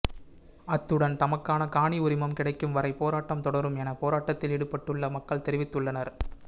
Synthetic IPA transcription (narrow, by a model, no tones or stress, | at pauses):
ɐt̪ːɯɽɐnt̪ɐmɐkːaːnɐkaːɳiʊɾɪmɐmkɪɽɐɪkːɯmʋɐɾɐɪpːoːɾaːʈːɐmt̪ɔɽɐɾɯmɛnɐpoːɾaːʈːɐt̪ːɪlɪɽɯpːɐʈːɯɭːɐmɐkːɐɭt̪ɛɾɪʋɪt̪ːɯɭːɐnɐɾ